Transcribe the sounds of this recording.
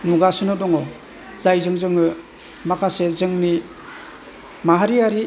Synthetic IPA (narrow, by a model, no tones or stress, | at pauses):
nuɡasunɔdɔŋɔ | zajzɯŋzɯŋɯ | makʰasezɯŋni | maɦaɾiaɾi